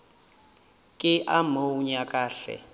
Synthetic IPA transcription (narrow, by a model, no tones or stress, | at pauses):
kʼɪʔamouɲakʼaːɬɛ̰